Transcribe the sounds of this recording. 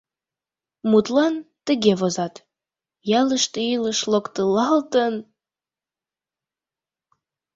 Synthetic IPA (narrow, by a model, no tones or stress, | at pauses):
mut̪lɑnt̪əɣeβozɑt̪ | jæləʃt̪eiləʃlokt̪əlɑlt̪ən